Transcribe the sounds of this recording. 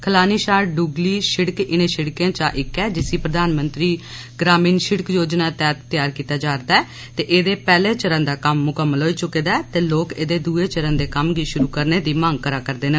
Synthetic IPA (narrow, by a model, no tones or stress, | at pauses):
kʰəlaːniːʃaːɾɖuːɡliːʃɪɽkɪnẽːʃɪɽkjãːt͡ʃaːʔɪkːɛːd͡ʒɪsiːpɾəd̪aːnmənt̪ɾiː | ɡɾaːmiːnʃɪɽəkjoːd͡ʒnaːt̪ɛːt̪t̪jaːɾkiːt̪aːd͡ʒaːɾd̪aːɛː | t̪eːʔeːd̪eːpɛːleːt͡ʃəɾə̃ːnd̪aːkəmːʊkəmːəlɦoːiːt͡ʃʊkeːd̪aːt̪eːloːkeːd̪eːd̪uːeːt͡ʃəɾə̃ːnd̪eːkəmɡiːʃʊɾuːkəɾneːd̪iːmãːŋɡ̚kəɾaːkəɾd̪eːnə